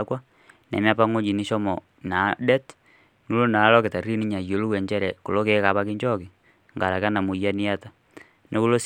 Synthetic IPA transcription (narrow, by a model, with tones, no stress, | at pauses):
kwa˦ | nḛ˨mja˦pa˦ŋo˦ɲi˨ni˦ʃɔ˦mɔ | na˨˦dɛ˦t | nu˦lo˦na˨˦lɔ˦ke˨ta˨ri˦ni˦ɲa˨jo˨˦lu˦we˨ɲt͡ʃɛ˦ɾɛ˨ko˨lo˦ke˦ka˨˦pa˦ki˦ɲd͡ʒɔ˦ki˨ | ŋɡa˨ɾa˨ka˦na˨mu˨ja˦ni˦a˦ta˨ | nʔe˦ku˦lo˦s